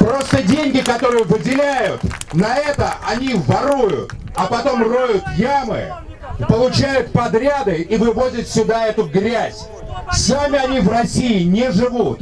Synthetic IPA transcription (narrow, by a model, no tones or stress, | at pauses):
pɾo̞st̪ədʲenʲɡʲɪkɐt̪o̞ɾɨjəvɨdʲɪlʲæjʊt̪nɐɛt̪əʔɐnʲivɐɾujʊ̰t̪ | ɐpɐt̪o̞mro̞jʊt̪jamɨ̰ | pəlˠʊt͡ɕæjʊt̪̚pɐd̪ɾʲad̪ɨivɨvo̞zʲɪt̪sʲʊd̪aɛt̪ʊɡɾʲæzʲ | samʲɪɐnʲivrɐsʲiɪnʲɪʐɨvut̪